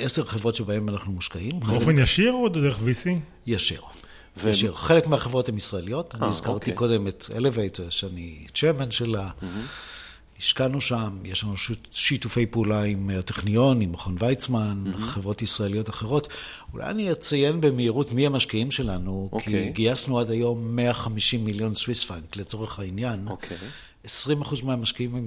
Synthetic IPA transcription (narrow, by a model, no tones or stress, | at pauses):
ʔese̞ʁχevʁo̞tʃe̞bae̞manaχnumuʃkaimeofenjaʃiʁod̪deʁeχvisi | jaʃḭʁ | aʃiʁχele̞kmeaχevʁo̞themisʁaelijo̞taniizkaʁtiko̞de̞metḛlevejteʃanit͡ʃemanʃela | iʃkanuʃamjeʃlanupʃutʃitufe̞jpeulaimteχnijo̞nimχonvajt͡smanχevʁo̞tisʁaelijo̞taχe̞ʁo̞t | ulʔa̰ja̰nijet͡saje̞nbemeiʁutmiamaʃkiimʃe̞lanukkʰiɡiasnuadajo̞mːeaχamiʃimːiljo̞nswisfankle̞t͡so̞ʁeχainjankʰ | esʁimaχuzmeamaʃkiimm